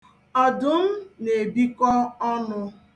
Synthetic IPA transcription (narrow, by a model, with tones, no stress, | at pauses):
ɔ˨dʊ˨m̩˦ne˨bi˦kɔ˦ɔ˦nʊ˦